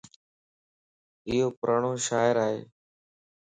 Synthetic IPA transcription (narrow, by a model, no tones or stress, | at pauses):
ɪjoːpʊɾʔaːɳoːʃaːɪɾaːɦḛː